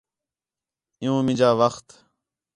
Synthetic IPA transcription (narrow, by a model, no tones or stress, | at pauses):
ɪ̃jũːmɪ̃d͡ʒaːʋəxt̪